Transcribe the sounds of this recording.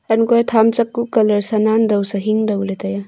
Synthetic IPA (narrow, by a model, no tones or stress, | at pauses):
ɐnkojatʰamt͡ʃɐkːukɐlɐɾsɐnandɐwsaɦiŋdɐwletaja